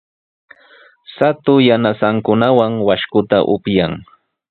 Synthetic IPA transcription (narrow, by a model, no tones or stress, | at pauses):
sat̪ʊjanasaŋkʊnawaŋwaʃkʊt̪a̰ʔʊpjaŋ